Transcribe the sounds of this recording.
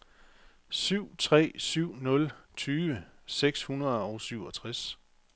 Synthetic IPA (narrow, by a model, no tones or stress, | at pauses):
syʊ̰t͡sʰʁɛ̰ːsyʊ̰nɔ̽lt͡sʰyːʋəseɡ̥shunɐðˠɒʊsyʊɒ̽t͡sʰʁas